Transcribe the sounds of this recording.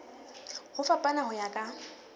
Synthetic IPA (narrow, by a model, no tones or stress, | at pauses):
hʊfapʼanahʊjakʼa